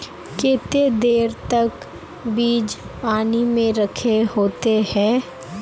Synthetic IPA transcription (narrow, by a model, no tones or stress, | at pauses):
keːt̪ed̪eːɾt̪ɐk | biːd͡ʒpaːnimẽɾəkʰeɦoːt̪ehɛ̃ː